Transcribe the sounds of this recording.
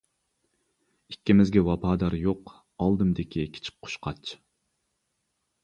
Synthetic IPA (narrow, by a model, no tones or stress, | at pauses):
ikʲːimɪzɡʲɛwɑpʰɑːd̪ɑɾjoq | ɑlˠd̪ɨmd̪ɪkʲʰikʲʰi̥t͡ʃʰi̥k̚ʲqʰʊ̥ʃqʰɑt͡ʃʰ